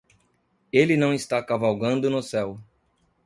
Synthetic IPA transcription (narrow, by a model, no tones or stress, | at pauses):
elɪnɐ̃w̃ɪst̪akavawɡɐ̃nd̪ʊnʊsɛw